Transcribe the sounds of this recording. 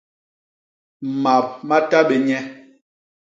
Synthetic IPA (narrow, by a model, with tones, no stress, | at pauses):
ma˨p̚ma˦ta˦ɓɛ˨ɲɛ˦